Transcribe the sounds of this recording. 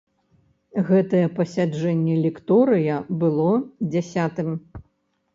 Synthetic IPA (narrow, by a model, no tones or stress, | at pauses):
ɣɛt̪ɐjɛpɐsʲad͡ʐɛnʲːɛlʲɛkt̪ɔɾɨjɐbɨlˠɔd͡zʲasʲat̪ɨm